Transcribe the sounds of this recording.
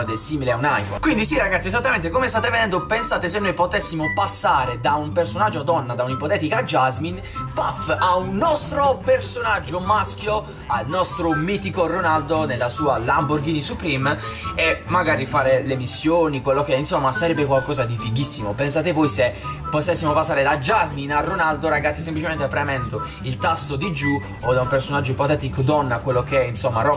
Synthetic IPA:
d̪esiːmileaunajfo̰nkwind̪isiraɡat̪siɛzat̪ːament̪ekomest̪aːt̪eved̪ɛnd̪opensaːt̪esenːojpot̪ɛsːimopasːaːɾed̪aumpersonad͡ʒːoad̪ɔnːad̪aunipot̪ɛːt̪ikad͡ʒazmin | pafaunːɔst̪ɾopersonad͡ʒːomask̟jo | alnɔst̪ɾomiːt̪ikoronald̪onelːasuːalamborɡiːnisupɾim | emaɡaːɾifaːɾelemisːjoːnikwelːokeinsomːasaɾɛbːekwalkɔːzad̪ifiɡisːimopens̬aːt̪evɔjse | pot̪ɛsːimopasːaːɾed̪ad͡ʒazminarːonald̪oɾaɡat̪sjis̬emplit͡ʃemɛnt̪eafɾɛmɛnt̪o | ilt̪asːod̪id͡ʒu | od̪aumpersonad͡ʒːoipɔt̪ɛːt̪ikod̪ɔnːakwelːokɛinsomːarɔ

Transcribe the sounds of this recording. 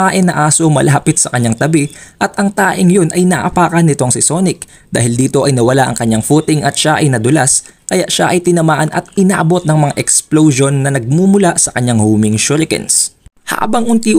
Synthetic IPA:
aːʔɪnːɐʔaːso̞mɐlʔɐɦɐpɪt̪̚sɐkɐɲːaŋt̪ɐbɪʔɐt̪ʔɐŋt̪aːʔɪŋjonʔɐjnɐʔʔɐpaːkɐnːɪt̪o̞ŋsɪso̞nɪk | d̪a̰ːhɪld̪iːt̪o̞ʔɐjnɐwɐlaʔɐ̰ŋkɐɲːaŋfut̪ɪŋʔɐt̪̚ʃaʔɐjnɐd̪ʊlas | kɐjaʔʃaʔɐjt̪ɪnɐmaːʔɐnʔɐ̰t̪̚ɪnaːʔɐbo̞t̪̚nɐŋmɐŋaʔɛksplowʃo̞nːɐnɐɡ̚mumʊlaʔsɐkɐɲaŋhoːmɪŋʃʊɾɪkɛ̰ns | ha̰ːbɐŋʔʊnt̪iː

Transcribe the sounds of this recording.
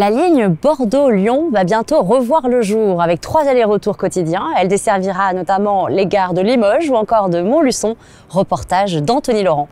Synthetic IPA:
laliɲbɔʁd̪oljɔ̃vabjɛ̃t̪oʁəvwaʁləʒuʁavɛk̚t̪χwazaleʁət̪uʁkɔt̪id̪jɛ̃ɛld̪esɛʁviʁanɔt̪amɑ̃leɡaʁd̪əlimɔʒuɑ̃kɔʁd̪əmɔ̃lysɔ̃ | ʁəpɔʁt̪aʒd̪ɑ̃t̪ɔnilɔʁɑ̃

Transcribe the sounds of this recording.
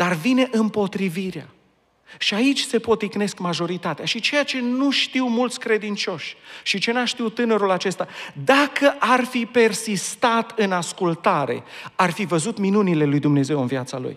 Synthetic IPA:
d̪̥arvine̞ʔɨmpo̞t̪ɾiviɾea̰ | ʃiait͡ʃʲse̞po̞t̪ikne̞skmaʒo̞ɾit̪at̪eaʃit͡ʃe̞jat͡ʃe̞nuʃt̪iwmult̪sʲkɾe̞d̪int͡ʃo̞ʃʲʃit͡ʃe̞naʃt̪iwt̪ɨnəɾulat͡ʃe̞st̪ad̪akəʔarfipe̞rsist̪at̪ɨnaskult̪aɾe̞̰arfivəzut̪minunile̞lujd̪umne̞ze̞wɨnvjat̪salṵj

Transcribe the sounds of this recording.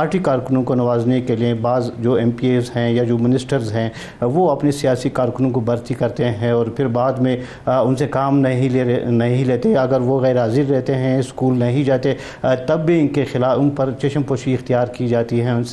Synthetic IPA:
paːɾʈikaːɾkʊnõkonɐʋaːznekeliebaːzd͡ʒoːɛ̃ːmpieːzɦɛ̃jad͡ʒoːmɪnɪsʈəɾzɦɛ̃ː | ʋoɐpnesijaːsikaːɾkʊnõkobɐɾt̪ikɐɾt̪eɦɛ̃ɔːɾpʰɪɾbaːd̪mẽ | ʊnsekaːmnɐɦĩnɐɦĩleːt̪eɐɡəɾʋoɣɛːɾɦaːziɾːɛɦt̪eɦɛ̃ɪskuːlnɐɦĩd͡ʒaːt̪e | t̪ɐbːiɪnkexɪlaːʊnpɐɾt͡ʃeːʃənpoːʃiɪxt̪ijaːɾkid͡ʒaːt̪iɦɛ̃ʊnse

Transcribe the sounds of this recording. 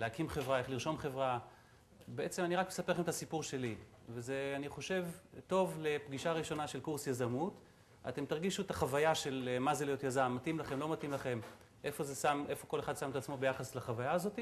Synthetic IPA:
leakimχe̞vʁaeχliʁʃo̞mχe̞vʁa | beʔe̞t͡se̞maniʁakme̥sape̞χemet̪asipuʁʃe̞li | veze̞aniχo̞ʃe̞vto̞vle̞pɡiʃaʁiʃo̞naʃe̞lkuʁsjazamut | a̰te̞mtaʁɡiʃuetaχavajaʃe̞lmazelijot̪jazamːatimlaχe̞mlo̞matimlaχe̞m | ʔe̞fo̞zesamʔefo̞ko̞leχad̪sametat͡smo̞be̞jaχaslaχavajaːzo̞ti

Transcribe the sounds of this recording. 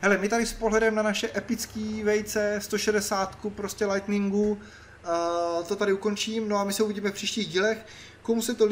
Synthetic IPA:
ɦɛlɛmɪt̪adɪspoɦlɛdɛmnanaʃɛʔɛpɪt͡skiːvɛjt͡sɛst̪o̞ʃɛdɛsaːt̪kupɾoscʲɛlajt̪nɪŋɡu | t̪o̞t̪aɾɪuko̞nt͡ʃiːmno̞amɪsɛuviɟiːmɛfpr̝̥iːʃciːɣɟiːlɛx | komusɛt̪o

